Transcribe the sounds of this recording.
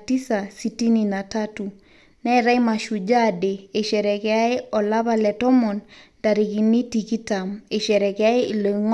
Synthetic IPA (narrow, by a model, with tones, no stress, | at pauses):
ti˦sa˨siti˦ni˨na˨tatu˨ | nɛ˦ɾa˦jma˨ʃu˨d͡ʒa˦deː˨ʃɛ˨ɾɛ˨kɛa˦e˦ɔ˨la˦βalɛ˨tɔ˦mɔ˨n | da˨ɾi˨ki˨ni˦tiki˦ta˨me˨ʃɛ˨ɾɛ˨kɛa˦e˦lo˨ŋ